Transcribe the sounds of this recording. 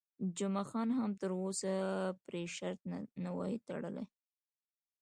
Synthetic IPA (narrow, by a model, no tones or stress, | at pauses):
d͡ʒʊmaxɑnɦamt̪əɾosapɾeʃaɾt̪̚nawɑit̪a̰ɽə̰lḛ